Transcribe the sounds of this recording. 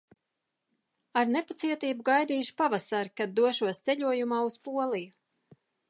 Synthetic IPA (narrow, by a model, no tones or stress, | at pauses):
aɾnepat̪siɛt̪iːbuɡajd̪iːʃu̥pavasaɾkad̪ːuɔʃuɔst̪sɛʎuɔjumaːuspuɔlˠiju